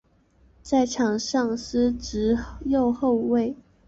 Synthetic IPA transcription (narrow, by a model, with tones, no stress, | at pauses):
t͡sa˥˩ɪʈ͡ʂʰɑ˨˩ŋʂɑ˥˩ŋsɹ̩˥ʈ͡ʂɻ̩˧˥jo˥˧ʊxo˥˧ʊwe˥˩ɪ